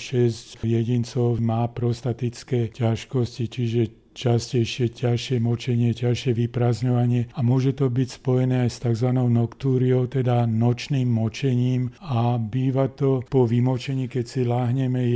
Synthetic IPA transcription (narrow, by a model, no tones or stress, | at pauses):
ʃɛscjɛɟint͡sɔʊmaːpɾɔst̪at̪it͡skɛːcaʃkɔscit͡ʃiʒɛ | t͡ʃascɛjʃɪɛcaʃɪɛmɔt͡ʃɛɲɪɛcaʃɪɛʋipɾaːzɲɔʋaɲɪɛamʊɔʒɛt̪ɔbicspɔjɛnɛːajst̪aɡzʋanɔʊnɔkt̪uːɾiɔʊt̪ɛd̪anɔt͡ʃniːmːɔt͡ʃɛɲiːmabiːʋat̪ɔpɔʋimɔt͡ʃɛɲiːkɛcsilaːɦɲɛmɛ